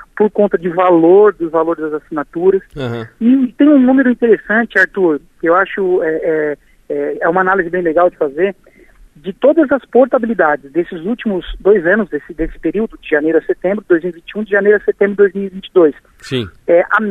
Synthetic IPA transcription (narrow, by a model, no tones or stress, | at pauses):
poɾkõnt̪ɐd͡ʒɪʊvaloɾd̪ʊzvaloɾɪzd̪ɐzasinat̪uɾɐsɪt̪ẽj̃ũnũmeɾʊĩt̪eɾesɐ̃t͡ʃɪaɾt̪uɾkɪewaʃʊɛɛ | ɛɛũmɐanalizɪbẽj̃leɡawd͡ʒɪfazeɾ | d͡ʒɪt̪od̪ɐzɐspoɾt̪abilid̪ad͡ʒɪzd̪esɪzuwt͡ʃimʊzd̪ojzɐ̃nʊzd̪esɪd̪esɪ̥peɾiwd̪ʊd͡ʒɪʒanejɾʊɐset̪ẽmbɾʊd̪ojzmiwivĩnt͡ʃiũd͡ʒɪʒanejɾʊɐset̪ẽbɾʊd̪ojzmiwivĩt͡ʃɪd̪ojs | sĩɛʔa